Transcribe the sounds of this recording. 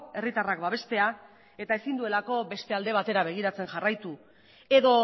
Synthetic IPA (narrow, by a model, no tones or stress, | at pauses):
e̞rit̪arakbaβ̞e̞st̪e̞a | e̞t̪aesind̪ue̞lako̞be̞st̪e̞ald̪e̞β̞at̪e̞ɾaβ̞e̞ɣ̞iɾat͡se̞nʝarajt̪u | e̞ðo̞